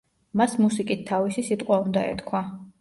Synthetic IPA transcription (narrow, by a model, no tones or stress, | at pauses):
masmusikʼit̪ʰːavisisit̪ʼqʼwaund̪aɛ̰t̪kʰwa